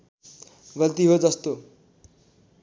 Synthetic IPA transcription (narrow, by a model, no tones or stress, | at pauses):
ɡʌlt̪iɦod͡zʌst̪o